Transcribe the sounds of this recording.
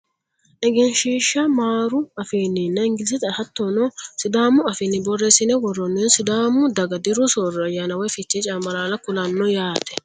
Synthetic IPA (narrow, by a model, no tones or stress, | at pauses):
ʔɛɡɛnʃiːʃːɐmaːɾʊɐfiːnːɪnːɐɪŋɡɪls̬ɪt̪ɐhɐt̪ːɔnɔsɪd̪aːmʊɐfɪnːɪbɔrːɛsɪnɛwɔrɔnːɛnsɪd̪aːmʊd̪ɐɡɐd̪ɪɾʊsorɔɐjaːnɐwɔjfɪt͡ʃːɛt͡ʃʼɐmːɐlaːlɐkʊlɐnːɔjaːt̪ɛ̥